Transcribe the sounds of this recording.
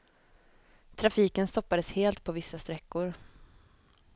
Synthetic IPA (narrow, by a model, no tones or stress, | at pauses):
t̪ʰɾafiːkənst̪ɔpːad̪əsheːlt̪̚pʰɔvɪsːast̪ɾɛkːʊɾ